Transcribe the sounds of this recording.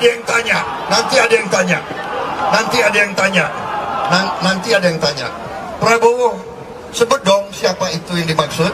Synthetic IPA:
dajaŋt̪aɲa | nant̪iadajaŋt̪aɲaʔnant̪iadajaŋt̪aɲaʔnanant̪iadajaŋt̪aɲa̰ʔ | pəɾabowɔ | səbədɔŋsiapait̪ujaŋdimaksʊt̪̚

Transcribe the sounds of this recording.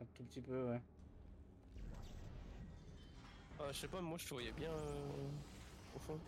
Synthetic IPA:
ɛ̃t̪upət̪ipøwɛ | ãəʃɛpamwaʒət̪əvwajɛbjɛ̃ | ofɔ̃

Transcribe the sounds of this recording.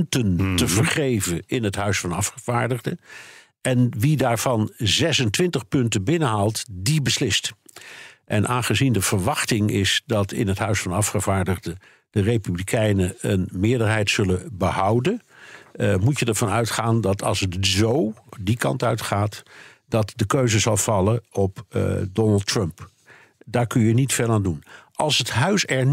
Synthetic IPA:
ntəntəvəɹχejvənɪnɦətɦœɥsfɑnɑfχəv̥aːɹdəχdə | ɛnʋidaːɹv̥ɑnzɛsəntʋɪntəχpɵntənbɪnəɦaːlˠtdibəslɪst | ʔɛnʔaːnχəzindəv̥əɹʋɑχtɪŋɪsdɑtɪ̰nɦətɦœɥsfɑnɑfχəvaːɹdəχdə | d̥ərejpyblikʰɛjnəənmɪːɹdəɹɦɛjtsɵləbəhɑwdən | mucədəɹvɑnœɥtχaːndɑtʰɑ̰lˠsətzowdikɑ̰ntœɥtχaːt | d̥ɑtdəkøɥzəzɑlˠv̥ɑləɔpdɔnəlˠtɹəmp | daːɹkɵnjənitfeːlˠaːndunʔɑlˠsətɦœɥsɛɹ

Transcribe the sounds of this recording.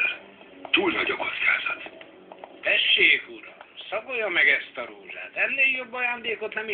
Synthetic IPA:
l | t̪uːlnɒɟɒko̞t̪skʰa̰ːz̥ɒt̪ | t̪ɛʃːeːkuɾɒ̰msɒkojɒmɛɡɛst̪ɒɾoːʒa̰ːt̪ɛnːeːljo̞bːɒjaːnd̪eːko̞t̪nɛmi

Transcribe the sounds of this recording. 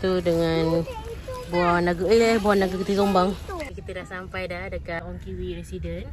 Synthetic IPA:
t̪udəŋan | buanaɡəəehbuanaɡəkit̪isombaŋkit̪ədasampajdadəkatɔŋkiwiɾɛsidən

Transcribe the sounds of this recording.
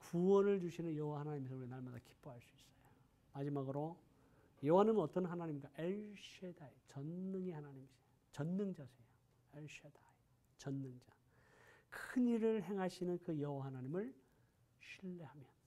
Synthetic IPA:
kuwʌnɯɭd͡ʑuɕʰinɯnjʌɦwahanaɲimes̬ʰuɾinaɭmadaki̥p͈oɦaɭs͈uis͈ʌ̥jo | mad͡ʑimaɡɯɾo | jʌwanɯmʌt͈ʌnɦanaɲimɡaʔeɭɕʰedajet͡ɕʌnːɯŋihanaɲimɕʰej | t͡ɕʌnːɯŋd͡ʑasʰejo | eɭɕʰedaj | t͡ɕʌnːɯŋd͡ʑa | kʰɯniɾɯɭɦe̞ŋɦaɕʰinɯnkɯjʌwaɦanaɲimɯɭ | ɕʰiɭːe̞hamjʌn

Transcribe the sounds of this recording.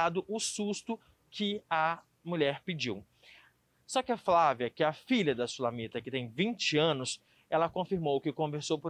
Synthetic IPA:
ad̪ʊʔʊsust̪ʊ | kɪɐ | muʎɛɾpɪd͡ʒiw | sɔkɪɐflaviɐkɪɐfiʎɐd̪ɐsulãmit̪ɐkɪt̪ẽj̃vĩnt͡ʃɪɐ̃nʊs | ɛlɐkõfiɾmowkɪkõveɾsowpʊ

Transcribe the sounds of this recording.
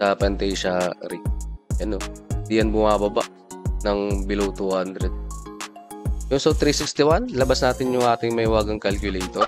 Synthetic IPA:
sɐpɛnt̪ɛjʃɐɾɪk̚jɐnod̪ijɐnbʊmaːbɐba̰ʔ | nɐŋbɪlowt̪uhand̪ɾɛd̪̚ | jʊŋsowt̪ɾiːsɪkst̪ɪwanlɐbasnaːt̪ɪnjʊŋʔaːt̪ɪŋmɐhɪwaːɡɐŋkalkjʊlɛjt̪o

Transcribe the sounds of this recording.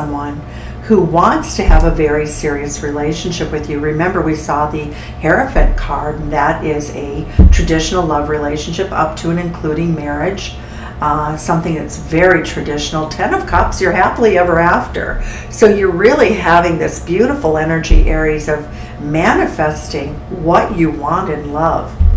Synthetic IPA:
mwʌ̃n | huwɑ̃ntstʰɨəvəvɛɹisɪɹiɨsɹileɪʃn̩ʃɪpwɨðjɨɹɨmɛ̃mbə˞wisɔðɨ | hɛɹɨfɨt̚kʰɑɹdn̩ðɨɾɪzɨtʰɹ̥ɨdɪʃn̩l̩ˠlʌvɹileɪʃn̩ʃɪpʌ̰p̚tʰɨɨ̃nɨ̃nkʰl̥uɾɪ̃ŋmɛɹɪd̥ʒ̥ | sʌ̃mθɪ̃ŋðɨ̰tsvɛɹitʰɹ̥ɨdɪʃn̩l̩ˠtʰɛ̃nʌv̥kʰʌpsjə˞hæpl̩ˠiɛvə˞æftə̰˞ | soʊjə˞ɹɪlˠiɦævɪ̃ŋðɪsb̥jʉɾəfl̩ˠɛnə˞d͡ʒḭʔɛɹiɨzʌv | mænɨfɛstɪ̃ŋ | wʌt͡ʃɨwɑ̃ntɨ̃nlʌv̥

